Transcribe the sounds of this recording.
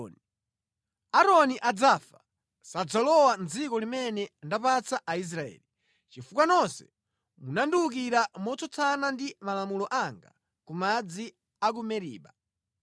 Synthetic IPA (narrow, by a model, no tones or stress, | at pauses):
ni | aɾɔniʔad͡zafa | sad͡zalɔwand͡zikɔlimɛnɛndapat͡saʔais̬ɾaɛ̰ːli | t͡ʃifukwanɔnsɛ̥ | munanduuk̬iɾamɔt͡sɔt͡sʰanandimalamulɔʔaŋɡa̰ | kumad͡zi | ak̬umɛɾḭːɓa